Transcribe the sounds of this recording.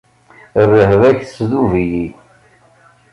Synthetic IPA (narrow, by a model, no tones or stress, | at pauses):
rːəhvæçθə̥sðuviji